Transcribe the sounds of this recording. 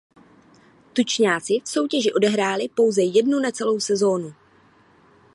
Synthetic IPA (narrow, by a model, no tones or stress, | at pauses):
t̪ut͡ʃɲaːt͡sɪfso̞wcɛʒɪʔo̞dɛɦɾaːlɪpo̞wzɛjɛdnunat͡sɛlo̞wsɛzo̞ːnu